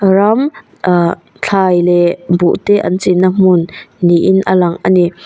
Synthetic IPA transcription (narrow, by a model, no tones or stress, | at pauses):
ram | t͡ɬʰajlɛbuʔt̪ɛʔa̰nt͡sinːam̥ʊnːiʔinʔəlaŋʔani